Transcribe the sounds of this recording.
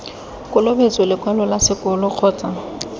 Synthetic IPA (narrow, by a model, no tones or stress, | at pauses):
kʼʊlobet͡sʼɔlɪkwɛlɔlasɪkʼʊlʊq͡χʰɔːt͡sʼa